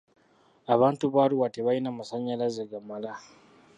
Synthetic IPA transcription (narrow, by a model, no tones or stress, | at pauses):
ʔabantubaːɾuwatebajnamasaɲjalaziɡamːala